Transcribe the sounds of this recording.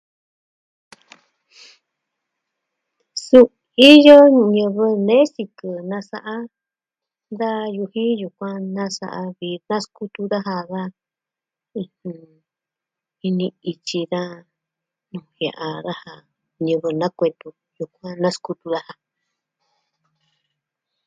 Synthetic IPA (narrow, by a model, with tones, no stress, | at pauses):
su˧ | i˦jo˦ɲɨ̃˧βɨ˧nẽ˦si˧kɨ˧nã˧sa˧ʔa˦ | nd̪a˦ju˧hĩ˦ju˧kʷã˧nã˦sa̰˧ʔa˧βi˧nã˦sku˦t̪u˧ða˦ɦa˧ða˦ | ĩ˧hĩ˧ | i˧nĩ˧i˧t͡ʃi˧ða˦ | nũ˧hja̰˧˨ʔa˧ða˦ha˧ | ɲɨ̃˧βɨ˧nã˦kʷe˧t̪u˧ | ju˧kʷã˦nã˦sku˧t̪u˧ða˦ha˧